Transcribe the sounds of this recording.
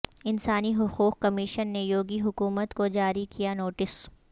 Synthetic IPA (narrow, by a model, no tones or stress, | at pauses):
ɪnsaːniɦʊquːqkɐmɪʃənːejoːɡiɦʊkuːmət̪kod͡ʒaːɾikijanoːʈɪs